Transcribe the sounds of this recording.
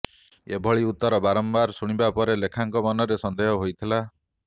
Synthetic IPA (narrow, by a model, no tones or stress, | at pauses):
ebʱɔɭiut̪ːɔɾɔbaɾɔmbaɾsuɽ̃ibapɔɾelekʰaŋkɔmɔnɔɾesɔnd̪eɦɔɦojt̪ʰila